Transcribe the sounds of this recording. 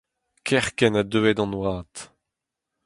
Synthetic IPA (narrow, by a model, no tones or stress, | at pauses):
kʰɛʁkɛnadøːɛdɑ̃nwaːt̪